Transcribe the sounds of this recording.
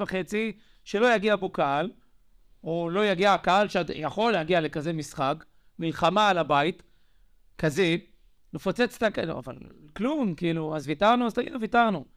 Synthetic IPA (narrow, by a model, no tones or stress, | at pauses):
vaχe̞t͡si | ʃe̞lo̞jaɡiabokaal | olo̞jaɡiakaalʃead̪jaχo̞lːeaɡiale̞kaze̞misχak | milχamaːlabait | kaze | mefo̞t͡set͡st̪aka̰va̰lklumkiiluazvitaʁnuazt̪aɡḭduvitaʁnu